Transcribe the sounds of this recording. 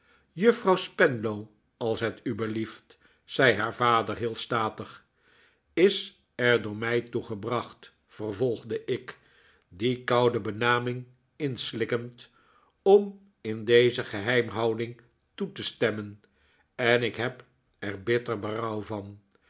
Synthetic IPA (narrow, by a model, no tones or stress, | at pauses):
jɵfrɑwspɛnlow | ɑlˠsɦɛtybəlift | sɛjɦaːɹvaːdəɹɦɪːlˠstaːtəχ | ɪs | ɛɹdʊːɹmɛjtuχəbrɑχt | fərvɔlˠχdəʔɪk | dikʌwdəbənaːmɪŋ | ɪnslɪkənt | ɔm | ɪndejzəχəɦɛjmɦɑwdɪŋ | tutəstɛmən | ɛnɪkɦɛp | ɛrbɪtərbərʌwvɑn